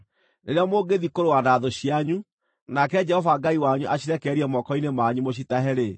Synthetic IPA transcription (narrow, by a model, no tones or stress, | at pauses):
nḛɾeɔmoːɡeðikoɾowanaðoɕiaɲu | nakɛd͡ʒɛhɔvaɡaiwaɲuʔaɕiɾɛkɛɾiɛmɔkɔinemaɲumoɕ̬itaɦɛɾe